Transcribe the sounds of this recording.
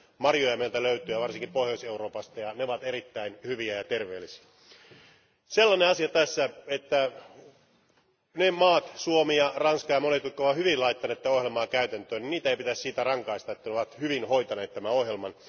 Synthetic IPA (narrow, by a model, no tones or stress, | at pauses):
mɑrjojɑmeelt̪æløyt̪yːjɑʋɑrsiŋkipohjoiseuroːpɑst̪ɑjɑneoʋɑt̪eɾit̪ːæinhyʋiæjɑt̪erʋeːlːisi̥æ | selːɑneɑsiɑt̪æsːæet̪ːæ | nemɑːt̪suomijɑrɑnskɑjɑmonet̪ut̪kːooʋɑhyʋilɑit̪ːɑneːt̪ːæohjelmɑːkæyt̪ænt̪øːniniːt̪æeipit̪æssiːt̪ærɑŋkɑist̪ɑet̪ːænoʋɑt̪hyʋinhoit̪ɑneːt̪tːæmæohjelmɑn